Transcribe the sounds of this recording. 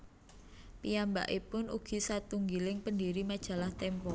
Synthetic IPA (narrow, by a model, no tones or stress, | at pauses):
pijamba̰ʔipʊnuɡ̥i̤sat̪uŋɡilɪŋpəndiɾimad̥ʒ̥ä̤laht̪ɛmpɔ